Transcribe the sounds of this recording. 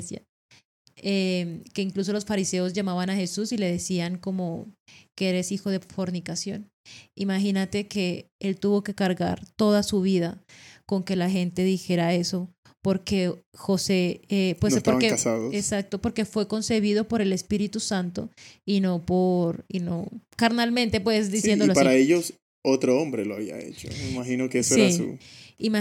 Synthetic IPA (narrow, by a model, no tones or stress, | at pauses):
sja | emke̞iŋklus̬o̞lo̞sfaɾise̞o̞zʝamaβanaxe̞susile̞ðe̞siaŋko̞mo̞ke̞eɾe̞sixo̞ðe̞fo̞ɾnikasjo̞̰n | imaxinat̪e̞ke̞ | elt̪uβo̞ke̞kaɾɣa̰ɾt̪o̞ðasuβ̞iðako̞ŋke̞laxe̞nt̪e̞ðixe̞ɾae̞so̞ | po̞ɾke̞xose̞epwenosp̪t̪oɾaŋekasaðosesak̚t̪o̞po̞ɾke̞fwe̞ko̞nse̞β̞iðo̞po̞ɾe̞le̞spiɾit̪usant̪o̞̰ino̞po̞ɾino̞kaɾnalmẽnt̪e̞pwe̞sd̪isjend̪oloapaɾaeʝos | ot̪ɾoombɾeloaβia̰ḛt͡ʃomeimaxinokeessoeɾisṵim